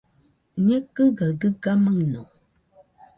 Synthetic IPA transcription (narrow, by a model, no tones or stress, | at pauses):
ɲɛkɨɡədɨɡaməŋno